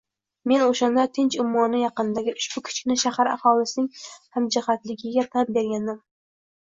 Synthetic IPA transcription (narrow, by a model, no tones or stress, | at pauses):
me̞noʃand̪at̪ʰɪnt͡ʃʊmːɒnɪjɑqɨnd̪aɡʲɪʔʊʃb̥ʊkʲʰʊ̥t͡ʃkʲnɪʃahaɾa̰hɒlɪsɪnɪŋhamd͡ʒɪhat̪lɪɡʲɪɡʲat̪ʰap̚be̞ɾɡʲand̪ɪm